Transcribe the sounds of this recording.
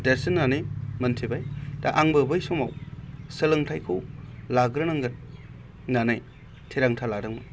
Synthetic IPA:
deɾsinːanɯjmɐntʰibajdaʔaŋbɯbɯjsɔmawsɯlɯŋtʰajkʰɯwlaɡɾɯnaŋɡɯn | nanɯj | tʰiɾaŋtʰaladɯŋmɯ

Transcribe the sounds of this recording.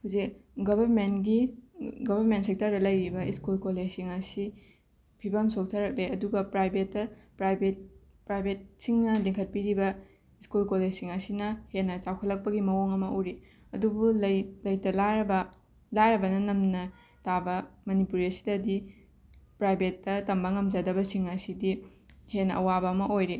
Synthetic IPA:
huzikɡɐbɐɾmenɡiɡobɐɾmentsek̚tɐɾdɐlɐjɾibɐiskulkoled͡ʒsiŋɐsi | pʰibɐmsok̚tʰɐɾɐk̚leɐduɡɐpɾajbetːɐpɾajbet̚ | pɾajbʱet̚siŋnɐdeŋkʰɐt̚piɾibɐ | iskulkoled͡ʒsiŋɐsinɐhenːɐt͡ʃawkʰɐlːɐk̚pɐɡimɐwoŋɐmɐʔoɾi | ɐdubullɐjtɐlabɐ | lajɾɐbɐnɐnɐmnɐ | tabɐmɐnipuɾiɐsi̥dɐdi | pɾajbʱetːɐtɐmbɐŋɐmd͡ʒadɐbɐsiŋɐsidi | henɐʔɐ̰wabɐːmɐʔojɾe

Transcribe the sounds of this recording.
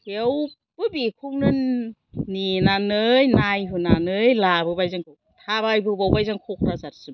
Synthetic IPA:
kʰew | b̥ɯbikʰuŋnɯnː | inanɯjnajɦɯnanɯjlabɯbajzɯŋkʰu | tʰabajbɯbawbajzaŋkʰuk̚ʰɾazat̚sɯ

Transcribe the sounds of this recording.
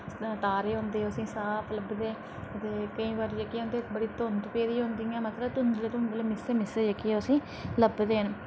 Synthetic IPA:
ʈaːɾeːɦõːnd̪eːəsĩːsaːpʰləbd̪eː | ət̪eːkəĩːʋaɾd͡ʒəkiːõːnd̪eːbəɽiːt̪ont̪peːd̪iːɦõːnd̪iːãːmət̪ləbt̪ʊnd͡ʒ̪əlːt̪ʊnd̪əleːmɪseːmɪsed͡ʒəkiɛːʊsĩː | ləbd̪eːɦən

